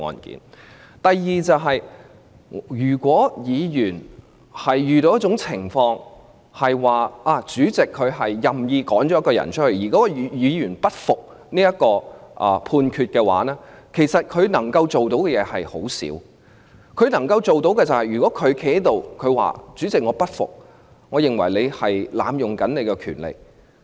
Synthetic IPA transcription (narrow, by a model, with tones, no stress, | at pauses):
ŋɔ̰ː˨nkḭ˨˥n | t̪ɐ˨jjiː˨˧t͡sɐ˨wɦɐ˨j | jyː˨˩kʷɔː˨˥jiː˨˧jyː˨˩n | hɐ˨jːyː˨t̪o˨˧wjɐ˥tt͡ʃʊ˨˥ŋt͡sʰɪ˨˩ŋfɔː˧ŋ | hɐ˨jwaː˨ʔaː˧˩t͡syː˨˥t͡sɪ˨kʰːɵ˨˧ɥɦɐ˨jːɐ˨mjiː˧kɔː˨˥ŋt͡ʃɔː˨˦˥kɔː˧jɐ̰˨˩nt͡ʃʰt̚hɵ˧ɥjiː˨˩kɔ˨˥ɔ˨˧˨jiː˨˧jyː˨˩npɐ˥t̚fʊ˨k̚ | niː˥jɐ˥t̚kɔː˧ʔɐː˨˩pʰuː˧nkʰyː˧t̚kɛː˧wa̰ː˨˥nɛː˥kʰe˨˩jsɐ˨t̚kʰɵ˨˧ɥnɐ˨˩ŋkɐ˧wt͡so˨wt̪o˨˥wkɛ˧jɛː˨˧hɐ˨jho̰˨˥wsḭ˨˥w | kʰɵ˨˧ɥnɐ˨˩ŋkɐ˧wt͡so˨wt̪o˨˥wkɛː˧t͡sɐ˨whɐ˨jɥyː˨kɔː˨˥kʰɵ˨˧ɥkʰe˧˥he˥t̪o˨wkʰɵ˨˧wa̰ː˨t͡ʃyː˨˥t͡sɪ˨k̚ŋɔː˨˧pɐ˥t̚fʊ̰˨k̚ | ŋɔː˨˧jɪ˨ŋwɐ̰˨˩jle˨˧hɐ˨jla̰ː˨˧mjʊ˨ŋkɐ˨˥nne˨˧jkɛ˧kʰy̰ː˨˩nlḛ˨j